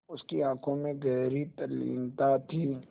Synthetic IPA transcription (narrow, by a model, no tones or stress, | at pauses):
ʊskiãːkʰõmẽɡɛːɾit̪ɐlḭːnt̪at̪ʰiː